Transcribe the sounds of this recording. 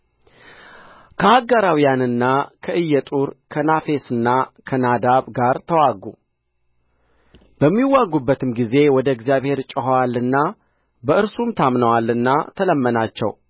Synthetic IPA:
kʰəhaɡaɾawijanɨnːakʰəʔɨjːɛt̪ʼuɾkʰənafe̞sɨnːakʰənad̪aβɡaɾt̪ʰəwaɡṵ | b̥əmːiwaɡːubːət̪ʰɨmɡize̞wɔd̪əɪɡzijaβhe̞ɾt͡ʃʼəɦwalːɨnːa | bəɨɾsumt̪ʰamnəwalːɨnːat̪ʰələmːənat͡ʃːɛ̰w

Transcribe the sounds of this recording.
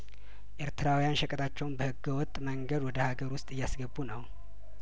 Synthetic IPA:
ʔeɾt̪ʰɨɾawijanʃəkʼət̪ʰat͡ʃːɛwnbəhɨɡːəwɔt̪ʼːməŋɡəd̪wɔd̪əhaɡəɾwʊst̪ʼɨjːasɡəbːunəw

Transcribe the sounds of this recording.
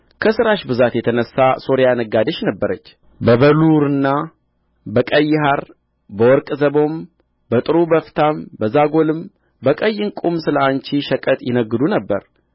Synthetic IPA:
kʰəsɨɾaʃbɨzat̪jɛt̪ʰənəsːaso̞ɾijanəɡad̪əʃnəbːəɾət͡ʃː | bəβəluɾɨnːa | bəkʼəjːɪɦaɾ | bəwɔɾkʼzəbo̞m | bət̪ʼɨɾubəft̪ʰambəzaɡolɨm | bəkʼəjːɨŋkʼumsɨləant͡ʃiʃəkʼət̪ʼjɪnəɡːɨd̪unəbːə̰ɾ

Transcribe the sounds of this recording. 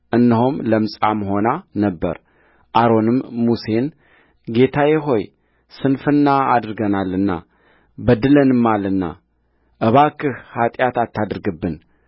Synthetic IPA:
ʔɨnːɨɦumləmsʼamɦo̞nanəbːə̰ɾ | ʔaɾo̞nɨmːuse̞n | ɡe̞t̪ʰajɛɦo̞j | sɨnfɨnːaa̰d̪ɨɾɡənalːɨnːa̰ | bəd̪ɨlənɨmːalɨnːa̰ | ʔəβakːɨhhat̪ʼjat̪at̪ːad̪ɾɡɨbːɨn

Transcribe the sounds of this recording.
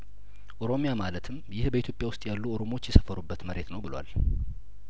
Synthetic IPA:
ʔo̞ɾo̞mjamalət̪ʰɨmjɪhbəit̪ʰjo̞pʼjawʊst̪ʼjalːuo̞ɾomo̞t͡ʃːjɛsə̥fəɾubːət̪məɾe̞t̪nəwbɨlwa̰l

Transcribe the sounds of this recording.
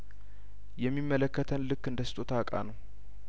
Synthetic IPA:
jɛmːimːələkːət̪ʰənlɨkːɨnd̪əsɨ̥t̪ʼot̪ʰakʼa̰nəw

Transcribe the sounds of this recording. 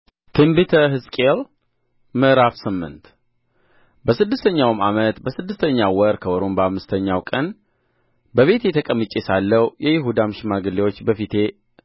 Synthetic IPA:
t̪ʰɨmbɨt̪ʰəɦɨskʼel | mɨɾafsɨmːɨ̰nt̪ | bəsɨd̪ːɨst̪ʰəɲːawmamət̪bəsɨd̪ːɨst̪ʰəɲːawɔɾkʰəwɔɾombəamːɨst̪ʰəɲːawkʼən | bəβe̞t̪jɛt̪ʰəkʼəmɨt͡ʃʼesalːəwjɛjɪɦud̪amʃɪmaɡɨlːewo̞t͡ʃːbəfit̪ʰe̞

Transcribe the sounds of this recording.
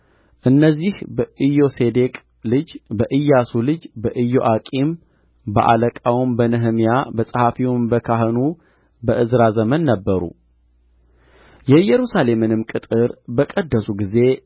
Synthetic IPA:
ʔɨnːəzːihbəʔɨjo̞se̞d̪e̞kʼ | lɨd͡ʒbəʔɨjːasulɨd͡ʒbəʔɨjːo̞ʔakʼim | bə̰ʔa̰ləkʼawmbənɨɦɨmjabəsʼəhafiwʊmbəkʰaɦɨnu | bəʔɨzɾazəmənːəbːəɾṵ | jɛɨjɛɾusale̞mɨnɨmkʼɨt̪ʼɨɾbəkʼəd̪ːəsuɡize̞

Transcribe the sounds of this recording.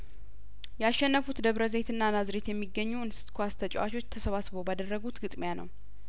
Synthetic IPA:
jɛaʃːɛnːəfut̪d̪əβɾəze̞t̪ɨnːanazɾet̪jɛmːiɡːəɲːuɨnsɨ̥t̪kʰwast̪ʰət͡ʃʼɛ̰wat͡ʃʰo̞t͡ʃːt̪ʰəsəβasβowbad̪ərːəɡut̪ɡɨt̪ʼmjanə̰w

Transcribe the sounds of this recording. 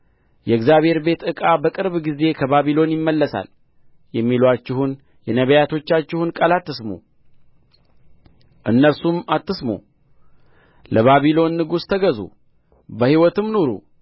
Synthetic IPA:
jɛɨɡzjaβhe̞ɾbe̞t̪ɨkʼabəkʼɨɾbɡize̞kʰəβaβilo̞njɪmːəlːəsa̰l | jɛmːilat͡ʃːɪhun | jɛnəβəjat̪ʰo̞t͡ʃːat͡ʃːɪhunkʼəlat̪ːɨsmṵ | ʔɨnːəlsumat̪ːɨsmṵ | ləβaβilo̞nːɨɡust̪ʰəɡəzṵ | bəhiwɔt̪ɨmnoɾṵ

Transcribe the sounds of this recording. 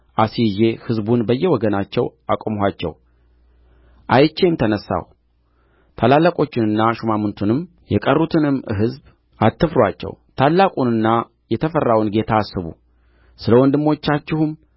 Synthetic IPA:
ʔasije̞hɨzbunbəjːɛwɔɡənat͡ʃːɛwakʼomɦat͡ʃːɛ̰w | ʔajt͡ʃːe̞jmt̪ʰənəsːa̰w | t̪ʰalalːakʼo̞t͡ʃːɪnɨnːaʃumamɨnt̪ʰunɨm | jɛkʼərːut̪ʰɨnɨmːɨ̰ɦɨzb | at̪ʰːɨfɾwat͡ʃːɛ̰wt̪ʰalːakʼunɨnːa | jɛt̪ʰəfərːawnɡe̞t̪ʰasːɨβṵ | sɨləwɔnd̪ɨmːo̞t͡ʃːat͡ʃːɪhum

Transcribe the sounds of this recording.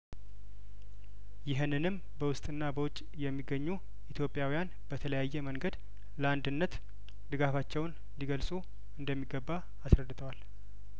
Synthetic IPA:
jɪɦɨnːɨnɨm | bəwʊst̪ʼɨnːabəwʊt͡ʃʼː | jɛmːiɡːəɲːu | ʔit̪ʰjo̞pʼjawijan | b̥ət̪ʰələjajːɛməŋɡəd̪ | ləand̪ɨnːət̪ | d̪ɨɡafat͡ʃːɛwn | liɡəlsʼu | ɨnd̪əmːiɡːəbːaː | sɾəd̪ːɨt̪ʰəwal

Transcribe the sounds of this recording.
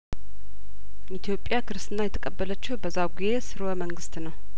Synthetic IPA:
it̪ʰijo̞pʼjakʰɨɾst̪ɨnːajɛt̪ʰə̥kʼəbːələt͡ʃːɪhbəzːawɡizesɨɾwəməŋɡɨst̪nəw

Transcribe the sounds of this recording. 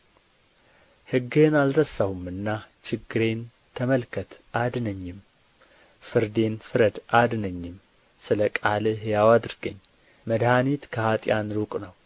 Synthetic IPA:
hɨɡe̞nald̪əsahumɨnːat͡ʃɪɡːɨɾe̞n | t̪ʰəməlkʰət̪ʰʔad̪nəɲːɪm | fɨɾd̪e̞nfɨɾəd̪ʔad̪nəɲːɪm | sɨləkʼalɨɦjawad̪ɨɾɡəɲː | məd̪hanit̪kʰəhat̪ʼjanɾukʼnəw

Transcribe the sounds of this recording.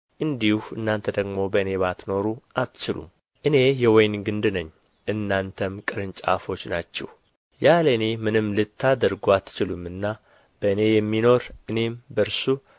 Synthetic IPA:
ʔɨnd̪ihɨnːant̪ʰəd̪əɡmo̞bəɨne̞βat̪no̞ɾuʔat̪t͡ʃɪlṵm | ʔɨne̞jɛwɔjnɡɨnd̪ɨnəɲː | ʔɨnːant̪ʰəmkʼɨɾɨnt͡ʃʼa̰fo̞t͡ʃːnat͡ʃːɛ̰w | jaləɨne̞mɨnɨmːlɨt̪ʰːad̪əɾɡoat̪t͡ʃɪlumɨnːa | b̥əɨne̞jɛmːino̞ɾʔɨne̞mbəɾsu

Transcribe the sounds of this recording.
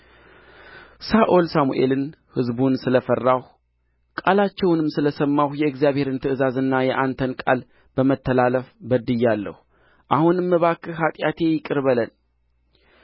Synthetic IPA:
saʔolsamṵʔe̞̰lɨn | hɨzbunsɨləfərːah | kʼalat͡ʃːɛwnɨmsɨləsəmːahjɛɨɡzijaβhe̞ɾɨnt̪ʰɨʔɨzazɨnːajɛʔant̪ʰənkʼa̰l | b̥əmət̪ʰːəlaləfbəd̪ɨjːalːə̰hu | ʔahunmːɨβakʰːɨɦat̪ʼjat̪ʰe̞jɪkʼɨɾβələn

